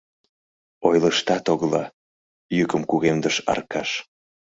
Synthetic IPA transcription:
ojləʃt̪ɑt̪oɣlɑ | jykəmkuɣemd̪əʃɑ̰rkɑʃ

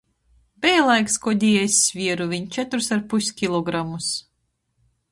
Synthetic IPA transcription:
bɛjlˠajkskɔd̪ʲiːesʲsʲvʲiɛɾuvʲiɲt͡ʃɛt̪uɾsaɾpusʲkʲilˠɔɡɾamus

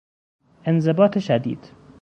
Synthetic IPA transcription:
ʔenze̞bɒːt̪ʰeʃæd̪ḭːd̪̥

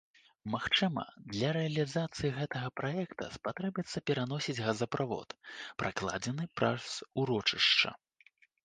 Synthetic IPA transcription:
maxt͡ʂɨmɐ̰d̪lʲɐɾɛɐlʲizat̪sɨjiɣɛt̪ɐɣɐpɾajɛkt̪ɐ̰spat̪ɾɛbʲjɛt̪sːɐpʲɛɾan̪ɔsʲid͡zʲɣɐzɐpɾavɔ̰t̪pɾʔaklˠa̰d͡zʲɛnɨpɾasuɾɔt͡ʂɨʂt͡ʂɐ̰

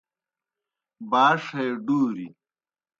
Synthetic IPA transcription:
baːʂɐjɖuːɾi

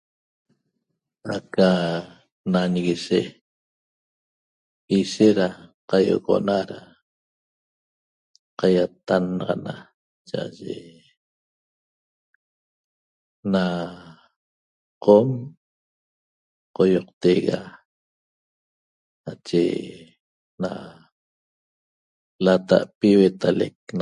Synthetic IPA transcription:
aka | nanɣiʃe | iʃeɾaqajo̰ɣo̰naɾa | qajat̪anːɑʁɑna | t͡ʃaʔaʒḛ | na | qom | qojoq̚t̪eɣa | nat͡ʃḛ | na | lat̪a̰ʔpiwet̪alek̚n

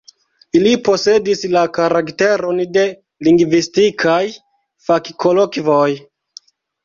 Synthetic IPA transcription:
ilipo̞se̞dislakaɾakte̞ɾo̞nde̞ | liŋɡvistikʰaj | fakkolokvoj

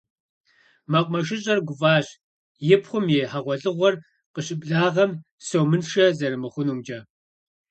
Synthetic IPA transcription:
mɐqʷʼmɐʃ̬ɪɕ̬ʼɐrɡʷʊvaːɕ | jɪpχʷʊmjeːħaʁʷɔɮʼɨʁʷɔr | qəɕʼɪpʼɮaːʁɐm | sowmɨnʂɐzɐɾɨmɨχʷʊnuːmd͡ʒʼɐ

